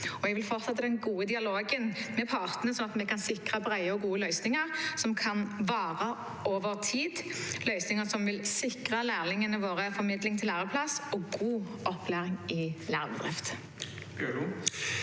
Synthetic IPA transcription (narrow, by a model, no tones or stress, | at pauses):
ɔɛɡʋɪlfɔʁt̪sɛt̪ːəd̪ɛnɡuːəd̪ɪɑloːɡənmɛpʰɑːʁt̪ənəsɔnɑt̪mɛkʰɑnsɪkʁəbʁæɪəɔɡuːəlœʏsnɪŋəʁsɔmkʰɑnʋɑːʁə | ʔoːʋəʁt̪ʰiːd̪lœʏsnɪŋəsɔmʋɪlsɪkʁəlæːʁlɪŋənəʋoːʁəfɔʁmɪd̪lɪŋt̪ʰɪlæːʁəpʰlɑsɔɡuː | ʔɔpʰlæːʁɪŋɪlæ̰ːʁbəd̪ʁɪ̰ft̪